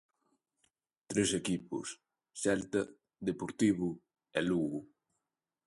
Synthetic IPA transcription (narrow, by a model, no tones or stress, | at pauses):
t̪ɾesekipʊ̰s | sɛlt̪ɐ | ðepoɾt̪iβʊ | ɛluɣʊ